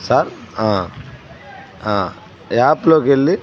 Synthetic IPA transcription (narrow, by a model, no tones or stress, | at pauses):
saːɾãː | ãː | jaːplokelːi